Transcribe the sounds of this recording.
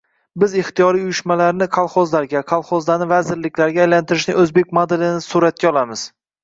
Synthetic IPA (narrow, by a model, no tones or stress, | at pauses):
bɪzɪχt̪ijɒɾijʊjɪʃmalaɾnɪqʰɑlˠχɒzlaɾɡʲaqʰɑlˠχɒzd̪anɪvazɪɾlɪkʲlaɾɡʲaːjlant̪ʰɪɾɪʃnɪʔɵzbek̚ʲmod̪ɪlɪnɪsuɾat̪̚kʲaɒlˠamɪz̥